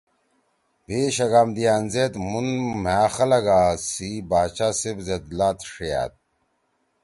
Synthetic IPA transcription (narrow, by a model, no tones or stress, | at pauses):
beɕɐɡamd̪ijanzet̪munm̤aːxɐlɐɡasibaːt͡ɕasibzed̪laːt̪ʂija̰t̪̚